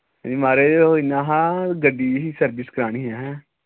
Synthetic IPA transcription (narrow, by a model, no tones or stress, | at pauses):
ɦɛ̃d͡ʒiːmaːɾeːoinãːɦãːɡəɖːiːɦiːsəɾbɪskəɾaːɽ̃iːɦɛːɦɛ̃ː